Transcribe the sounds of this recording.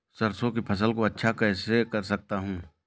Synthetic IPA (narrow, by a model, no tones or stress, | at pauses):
sɐɾsõkipʰɐs̬əlkoɐtːʃʰakɛːsekɐɾsɐk̚t̪aɦũː